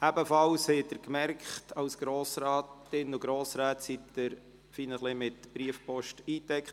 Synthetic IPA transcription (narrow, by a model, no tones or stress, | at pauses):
æbəfɑlshɛtːəɾkmɛrkχtɑwsɡ̥ɾoːsɾɑːtɪnʊɡɾoːsɾæːtsitdɪɾ | finəχlɪmɪt̪b̥ɾiəfpɔʃtiːt̪ɛkχt